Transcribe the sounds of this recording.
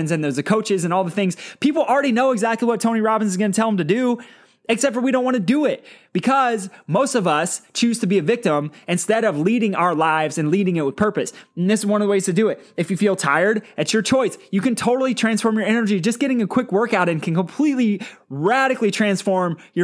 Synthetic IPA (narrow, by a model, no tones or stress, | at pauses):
nzɨ̃nðoʊzəkʰoʊt͡ʃɨzɨ̃nɔlˠðəθɪ̃ŋz̥pʰipl̩ˠl̩ˠɹɛɾinoʊɨɡzæk̚tˡliwʌtʰõʊ̃niɹɑbɨ̃nzɨzɡʌ̃nɨtʰɛlˠə̃mtɨdʉ | ɨksɛp̚tfə˞wiɾõʊ̃nʔwɑ̃nɨdɨɪt̚b̥ɨkʰʌzmoʊstʌvʌst͡ʃʰʉz̥tʰɨbiɨvɪk̚tə̃mɨ̃nstɛɾʌvliɾɪ̃ŋa̰ʊə˞laɪvzɨ̃nliɾɪ̃ŋɪt̚wəð̥pʰɜ˞pɨsn̩ðɪsɨzwʌ̃nʌvðəweɪz̥tʰɨdɨɪtɨfjɨfilˠtʰaɪə˞ɾɨt͡ʃə˞t͡ʃʰɔɪsjɨkɨ̃ntʰoʊɾl̩ˠitʰɹ̥æ̃nsfɔɹmjə˞ɛnə˞d͡ʒid͡ʒʌsɡ̥ɛɾɪ̃ŋɨkʰw̥ɪkwɜ˞kaʊɾɨ̃nkʰɨ̃n̩kə̃mpʰl̥itˡliɹæɾɨklitʰɹ̥æ̃nsfɔɹmjə˞